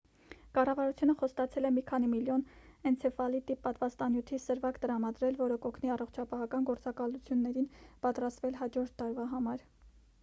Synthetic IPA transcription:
kɑrɑvɑɾut͡sʰjunəχɔst̪ɑt͡sʰɛlɛmikʰɑn̪imiljɔnɛnt͡sʰɛfɑlit̪ipɑt̪vɑst̪ɑnjut̪ʰisəɾvɑkt̪əɾɑmɑd̪ɾɛlvɔɾəkɔkʰniɑrɔχt͡ʃʰɑpɑɦɑkɑnɡɔɾt͡sɑkɑlut͡sʰjunːɛɾinpɑt̪ɾɑst̪vɛlɦɑd͡ʒɔɾt̪ʰːɑɾvɑɦɑmɑɾ

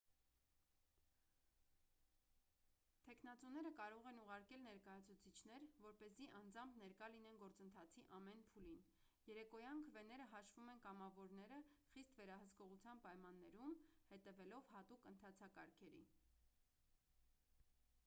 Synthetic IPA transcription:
t̪ʰɛknɑt͡sun̪ɛɾəkɑɾɔʁɛnuʁɑɾkɛlnɛɾkɑjɑt͡sʰut͡sʰit͡ʃʰn̪ɛɾvɔɾpɛziʔɑnd͡zɑmpʰnɛɾkɑlinɛnɡɔɾt͡sənt̪ʰɑt͡sʰiʔɑmɛn̪pʰulin | jɛɾɛkɔjɑnkʰəvɛnɛɾəɦɑʃvumɛnkɑmɑvɔɾnɛɾəχist̪vɛɾɑɦəskɔʁut͡sʰjɑnpɑjmɑnːɛɾumhɛt̪ɛvɛlɔvhɑt̪ukənt̪ʰɑt͡sʰɑkɑɾkʰɛɾḭ

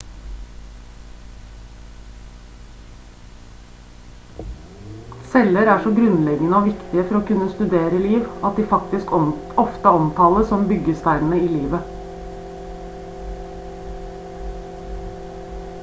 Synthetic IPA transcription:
sɛləɾæːʂɔɡɾʉnlɛɡənəoːʋɪkt̪ɪəfɔɾoːkʉnəst̪ʉd̪eːɾəliːʋɑt̪̚d̪iːfɑk̚t̪ɪskɔft̪əɔmt̪ʰɑːləsɔmbʏɡəst̪æɪnn̩əiːliːʋə

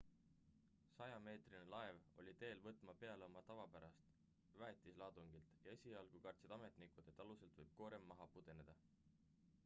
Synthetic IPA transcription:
sɑjɑme̞ːt̪rinelɑe̞vo̞̰lʲit̪e̞ːlvɤt̪ːˑmɑpe̞ɑleo̞mɑt̪ɑvɑpæɾɑst̪ | væːt̪ːˑislɑːd̪̥uŋɡ̥ilt̪ˑjɑe̞sʲiɑlɡ̥ukɑrt̪sed̪ɑme̞t̪ˑnikud̪̥e̞t̪ːˑɑluse̞lt̪vɤjb̥̚ko̞ːɾe̞mːɑɦɑpud̪̥e̞ne̞d̪̥ɑ

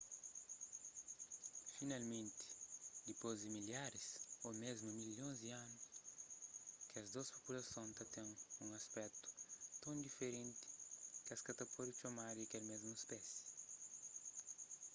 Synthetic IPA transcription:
finalmẽnt̪i̥d̪ipozd̪imiljaɾisomezmumiljõzd̪iãnʊs | kɐzd̪ospopulɐsõnt̪ɐt̪ẽŋũŋɐspɛt̪u̥t̪õnd̪ifeɾẽnt̪i̥kɐskɐt̪ɐpɔd̪it̪omaɾɐkelmezmuespɛsi̥

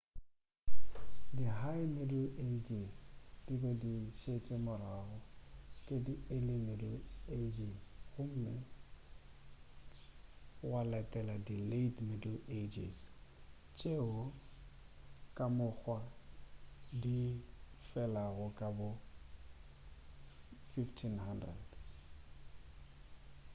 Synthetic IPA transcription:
dihaɪmɪdl̩ed͡ʒisd̥ibɛdiʃet͡ʃʼemʊɾaɣɔkʼedielɪmɪdl̩ed͡ʒisɣʊm̩mɪ | walɛtʼɛladiletmɪdl̩ed͡ʒis | t͡ʃʼeʊ | kʼamʊk͡xʰwa | difɛlaɣʊkʼabʊ | fiftʰinhandrɛ̰d̥

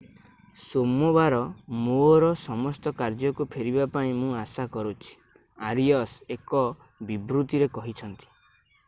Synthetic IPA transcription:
somɔbaɾɔmoɔɾɔsɔmɔst̪ɔkaɾd͡ʒɔkupʰeɾibapaĩmũasakɔɾut͡ʃʰi̥ | aɾiɔsekɔ | bibɾut̪iɾekɔɦit͡ʃʰɔnt̪i̥

